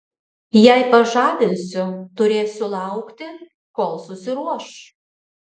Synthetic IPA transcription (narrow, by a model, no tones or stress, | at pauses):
jæɪpɐʒɑːʋ̪ʲɪnʲsʲʊt̪ʊɾʲeːsʲʊlˠɑʊkt̪ʲɪ | koːlˠsʊsʲɪɾuɔʃ